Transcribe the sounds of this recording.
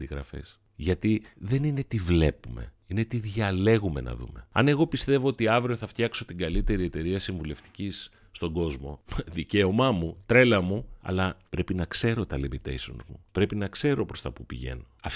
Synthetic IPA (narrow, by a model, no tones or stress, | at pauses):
d̪iɣɾɐfḛs | ʝɐt̪iðe̞nine̞t̪ivle̞pume̞̰ | ine̞t̪iðʝɐle̞ɣume̞nɐ̰ðṵme̞ɐ̰ne̞ɣo̞pist̪e̞vo̞ot̪iɐvɾio̞θɐft̪çɐkso̞t̪iŋɡɐlit̪e̞ɾie̞t̪e̞ɾiɐsiɱvule̞ft̪i̥cisː | t̪oŋɡo̞zmo̞ðice̞o̞mɐmut̪ɾe̞lɐmuɐ̰lɐpɾe̞pinɐkse̞ɾo̞t̪ɐlebit̪ḛjso̞̰nzmṵpɾe̞pinɐkse̞ɾo̞pɾo̞st̪ɐpupḭʝe̞̰no̞ɐf